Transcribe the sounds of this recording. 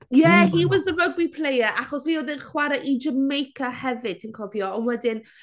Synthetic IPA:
jɛhiwɔzðəbəɡwipʰl̥ˠejəʔaχɔswiɔdɪnχwaɾaʔid͡ʒəmejkʰəhɛvɪd̥̚tʰinkʰɔvjɔɔnwɛdɪn

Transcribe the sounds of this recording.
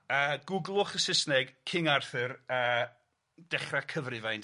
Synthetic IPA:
əːɡ̥ʊɡlˠʊχəsɪsnɛɡkʰɪŋarθɨrəː | d̥ɛχrakʰəvrɪvajn

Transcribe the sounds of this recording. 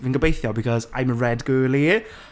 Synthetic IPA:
vɪ̃nɡəbejθjɔbɪkɒzã̰ɪ̃məɹɛdɡɜːlˠi

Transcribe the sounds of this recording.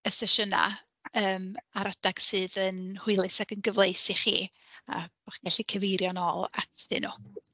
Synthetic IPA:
əsɛʃəna̰ | əːmaɾɔd̥aɡ̥sɨːðənhʊɨlˠɨsaɡənɡəvlˠejsiχḭː | a̰b̥aχɡaɬikʰəvejɾjɔnɔlˠatʰɨ̰nʊ

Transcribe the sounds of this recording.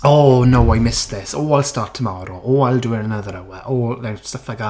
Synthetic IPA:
onowajmɪsðɪsoalˠstatʰəmɔːɾoʔoalˠduɪɾənəðəɾəwəʔɔlɛnstəfaɡa

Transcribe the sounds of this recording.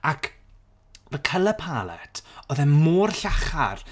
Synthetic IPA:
akʰ | vəkʰəlˠəpʰalˠɛ̰tʰɔðɛmmoːrɬaχa̰r

